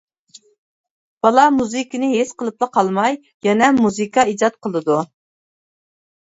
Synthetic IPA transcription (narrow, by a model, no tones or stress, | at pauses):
b̥ɑlˠɑmuzɨkʲinɪɦesqəlˠɨp̚lˠɨqʰɑlˠmɑj | jɛnɛmuzɨkɑid͡ʒɑt̪̚qʰəlˠɨd̪u